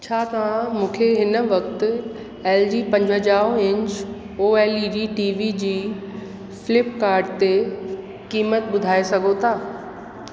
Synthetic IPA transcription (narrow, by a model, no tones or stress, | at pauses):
t͡ɕʰaːt̪ɐʋ̤ãmũːkʰeɦɪnə̆ʋɐk̚t̪ɪ̆ | eːld͡ʑiːpɐ̃ɲd͡ʑʱəd͡ʑaːɦɪ̃ɲt͡ɕ | oːeːliːɖiːʈiːʋid͡ʑiː | fɪlɪpkaːɾɖt̪e | kiːmət̪̚ɓʊd̪ʱaːesɐɡʱot̪ʰaː